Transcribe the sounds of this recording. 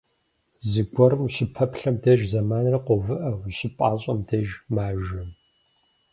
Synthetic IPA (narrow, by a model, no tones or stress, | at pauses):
zɨɡʷɔɾɨmuɕɪpʰɐpɬɐmdɐʒzɐmaːnrɐqʷɔvɨʔɐwɕʼɪpʼaːɕʼɐmdɐʒmaːʒɐm